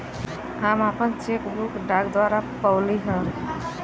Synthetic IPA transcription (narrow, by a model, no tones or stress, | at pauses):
amapənt͡ʃekbukɖaɡd̪waɾapəwliɦə